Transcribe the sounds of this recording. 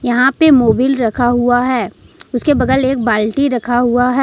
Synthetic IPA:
jɐɦãpemoːbiːlɾɐkʰaɦuaɦɛː | ʊskebɐd̪əleːk̚baːlʈiɾɐkʰaɦʊaɦɛː

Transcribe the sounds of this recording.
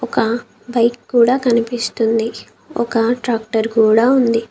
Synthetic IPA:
ɔkɐ | bɐjkːuːɽaːkɐnipist̪und̪i | ɔ̰kɐʈɾaːk̚ʈɐɾkuːɽaːund̪i

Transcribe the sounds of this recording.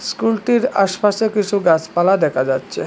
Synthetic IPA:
skulʈiɾa̰ʃpaʃekit͡ɕʰuɡat͡ɕpalad̪ɛkʰad͡ʑatːɕʰe

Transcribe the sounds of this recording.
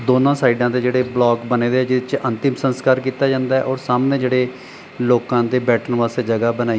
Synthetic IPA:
d̪oːnãːsaːiɖãːd̪eːd͡ʒeːɽeːblɔːkbəneːd̪eːɛːd͡ʒɪt͡ʃənt̪ɪmsənskaːɾkiːt̪aːd͡ʒãːnd̪aːɛːʔɔːɾsaːmneːd͡ʒeːɽeː | loːkãːd̪eːbɛːʈənʋaːst̪eːd͡ʒəɡaːbənaːi

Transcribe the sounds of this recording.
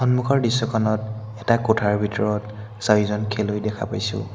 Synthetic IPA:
ɔnmukʰɔɹdisːɔkʰɔnɔt | ɛtakotʰaɹbʱitɔɹɔt | sajizɔnkʰɛlojdɛkʰa̰pa̰jsʊ̰̃

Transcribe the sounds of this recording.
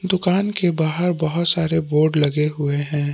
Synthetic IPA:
d̪ʊkaːnkebaːɦəɾbɐɦʊt̪saːɾeboːɾɖlɐɡeɦʊeɦɛ̃ː

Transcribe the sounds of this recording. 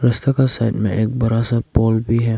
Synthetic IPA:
ɾɐst̪akasaːɪʈmḛ̃ʔeːk̚bɐɾasapɔːlbʱiɦɛː

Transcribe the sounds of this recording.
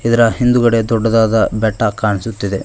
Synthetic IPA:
id̪ɐɾɐhind̪uɡɐɽed̪ɔɖːɐd̪aːd̪ɐbɛʈːɐkaːɳisut̪ːid̪e̞

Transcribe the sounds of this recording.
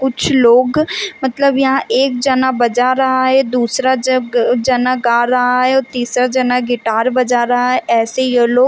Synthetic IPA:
kʊt͡ʃʰloːɡmət̪ləbjɐɦãːʔeːk̚d͡ʒənabəd͡ʒaːɾəɦaɦɛːd̪uːsɾaːd͡ʒənaːɡaːɾəɦaɦɛːoːt̪iːsɾaːd͡ʒənaɡɪʈaːɾbəd͡ʒaːɾəɦaɦɛːʔɛːsejəːloː

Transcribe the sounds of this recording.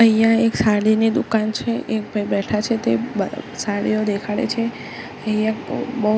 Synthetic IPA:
əɦjãeksaɽinid̪ukant͡ʃʰeʔek̚bʱajbɛʈʰat͡ʃʰet̪esaɽḭjod̪ekʰaɭḛt͡ʃʰe | əijãbə

